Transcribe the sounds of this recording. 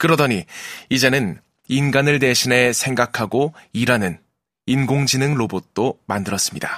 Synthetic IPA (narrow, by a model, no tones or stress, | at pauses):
kɯɾʌdʌɲiid͡ʑe̞nɯn | inɡanɯɭde̞ɕʰine̞sʰe̞ŋɡakʰaɡoiɾanɯn | inɡoŋd͡ʑinɯŋɭobot̚t͈omandɯɾʌs͈ɯmɲida